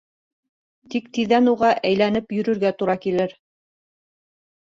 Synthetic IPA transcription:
t̪ikt̪iðænuʁɑʔæjlæn̪ɘpjɵ̆ɾɵ̆ɾɡæt̪uɾɑkilɘɾ

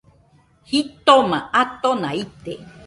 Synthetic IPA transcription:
hit̪omãʔat̪onait̪e

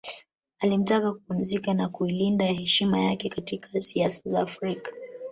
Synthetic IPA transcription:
alim̩takakupum̩zikanakuilindahɛʃimajakɛkatikʰasiasḁzaːfɾikḁ

